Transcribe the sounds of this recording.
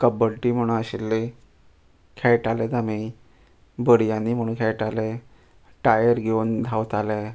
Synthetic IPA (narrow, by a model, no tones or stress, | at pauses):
kəbəlʈiːm̤əɽ̃ũnaɕilːe | kʰɛjʈaled̪ami | bəɽjanːiːm̤əɽ̃ũːnkʰɛɭʈale | ʈajəɾɡʱeund̪ʱawt̪alɛ